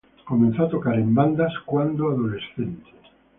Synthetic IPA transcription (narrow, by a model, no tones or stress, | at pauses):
komẽn̟θoat̪okaɾẽmband̪askwand̪oaðolesθent̪e̥s